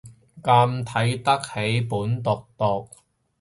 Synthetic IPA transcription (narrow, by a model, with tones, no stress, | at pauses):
kaː˧mt̪ʰɐ˨˥jt̪ɐ˥k̚he˨˥jpuː˨˥nt̪ʊ˨k̚t̪ɔ˨k̚